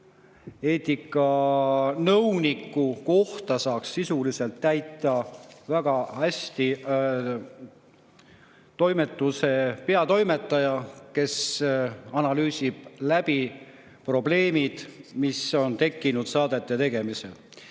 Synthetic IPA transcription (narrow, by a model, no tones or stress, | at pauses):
e̞ːt̪ikːˑɑ | nɤwnikˑːuko̞ht̪ɑsɑːksːisulise̞lt̪ːæjt̪ːˑɑvæɡ̥ɑæsʲt̪i | t̪o̞jme̞t̪ːˑuse̞pe̞ɑt̪o̞jme̞t̪ːˑɑjɑke̞s | ɑnɑlyːsʲib̥̚læb̥i | pro̞ble̞ːmid̪̥miso̞nt̪e̞kːinud̪̥sɑːd̪̥e̞t̪ːe̞t̪e̞ɡ̥e̞misḛl